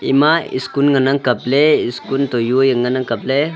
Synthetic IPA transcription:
ḭmaḭskunŋɐnaŋkɐpleiskunt̪ojujəŋɡɐnaŋkɐple

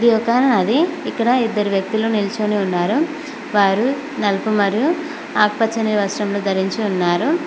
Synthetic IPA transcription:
ɐd̪iɔkɐɐɾɐɳɐd̪iikːɐɽɐid̪ːɐɾiʋjɐk̚t̪iloːnilt͡ʃoniunːaːɾu | ʋaːɾu | nɐlpumɐɾiju | aːk̚pɐt͡ʃːɐniʋɐsʈɐmloːd̪ʱɐɾiɲt͡ʃiunːaːɾu

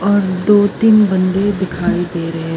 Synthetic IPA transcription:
ɔːɾd̪oːt̪inbɐ̃nd̪ed̪ɪkʰaːid̪eːɾɐɦe

